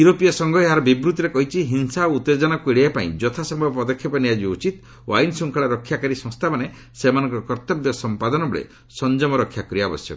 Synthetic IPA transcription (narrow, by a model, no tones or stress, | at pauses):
uɾopijasɔŋɡʱɔeɦaɾɔbibɾut̪iɾekɔɦit͡ʃʰiɦinsaout̪ːed͡ʒɔnakueɽiapaḭ̃d͡ʒɔt̪ʰasempɔd̪ɔkʰːjɔpɔniad͡ʒiut͡ʃit̪ | oajnsuŋkʰaɭaɾɔkʰːjakaɾisɔ̃ŋst̪ʰamane | semanɔ̃ŋkɔkɔɾt̪ɔbjɔsɔmpad̪ɔnɔbɔɭḛ | sɔnd͡ʒɔmɔɾɔkʰːjakɔɾiabɔ̰sjɔ̰kɔ